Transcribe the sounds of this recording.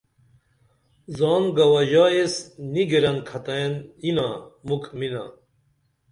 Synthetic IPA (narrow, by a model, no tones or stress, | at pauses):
zaːnɡɐwɐʑaesniɡeɾɐnkʰɐt̪ɐjeninamukʰmina̰